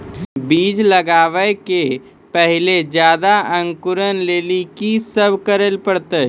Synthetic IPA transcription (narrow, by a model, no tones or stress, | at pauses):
biːd͡ʒləɡaːʋəke | pəɦɪled͡ʒjaːd̪aə̃ŋkuɾənleːlikisəbʱkəɾəlpəɽt̪ə